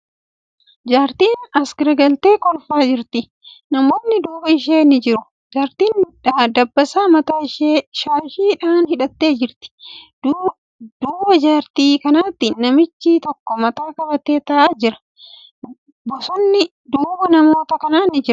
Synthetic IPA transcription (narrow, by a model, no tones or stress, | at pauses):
d͡ʒaːɾt̪iːnɐsɡɐɾɐɡɐlt̪e̞ːkɔlfaːd͡ʒɪɾt̪ɪ | nɐmo̞ːnːɪd̪uːbɐɪʃ̬eːnɪd͡ʒɪɾʊ | d͡ʒaːɾt̪iːnᶑad̪ɐbːɐsaːmɐt̪aːɪʃeːʃaːɪʃiːᶑaːnhɪᶑɐt̪ːe̞ːd͡ʒɪɾt̪ɪ̥d | d̪̥uːbɐd͡ʒaːɾt̪iːkɐnaːt̪ːɪnɐmɪt͡ʃːɪt̪ɔkːɔmɐt̪aːkɐbɐt̪eːt̪ɐʔaːd͡ʒɪɾɐ̥ | bɔsɔnːɪ | d̪uːbɐnɐmo̞ːt̪ɐkɐnaːnɪd͡ʒɪɾʊ